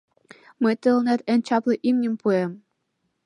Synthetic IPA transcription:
mət̪əlnæt̪enʲt͡ɕɑplˠɤ̆ʔimnʲə̆mpuem

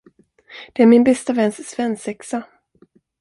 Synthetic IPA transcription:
d̪̥ɛæːɾmɪnbɛst̪avɛnsːvɛnsɛksa

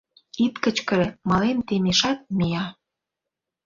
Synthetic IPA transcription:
it̪kə̆t͡ɕkə̆ɾĕmɑlemt̪emeʃɑt̪̚mijɑ

